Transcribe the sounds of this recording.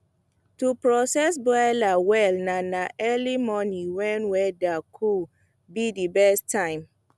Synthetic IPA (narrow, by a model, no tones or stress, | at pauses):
tupɹɔsɛsbɔlawɛlnanaʔɛlimɔniwɛ̃nwɛdakʰu | bidibɛstʰːãɪ̃m